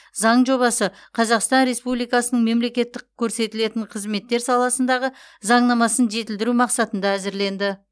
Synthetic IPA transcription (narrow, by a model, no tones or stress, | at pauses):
zɑɴʒo̞βɑsə | qʰɑzɑqst̪ɑnɾe̞spublˠijkɑsənəɴme̞mle̞kʲe̞t̪ːɪkʲʰːɵɾse̞t̪ɪle̞t̪ɪɴqʰəzme̞t̪ːe̞ɾsɑlˠɑsənd̪ɑʁə | zɑɴnɑmɑsənʒe̞t̪ɪld̪ɪɾumɑqsɑt̪ənd̪ɑæzɪɾle̞nd̪ɪ